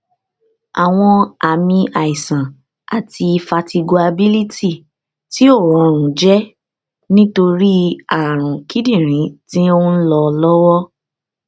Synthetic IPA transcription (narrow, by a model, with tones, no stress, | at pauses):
a˨w̃ɔ̃˧a˨mĩ˧ʔa˨i˨sã˨ | a˨tʰi˧i˧fa˧ti˧ɡo˧a˧bi˦li˦ti˦˨ | ti˦o˦˨wɔ̃˨˧˨ɾ̃ũ˨d͡ʒɛ˦ | nĩ˦to˧ɾi˦a˨ɾ̃ũ˨ki˦dĩ˦˨ɾ̃ĩ˨˦tĩ˦o˦n̩˦lɔ˧lɔ˦wɔ˦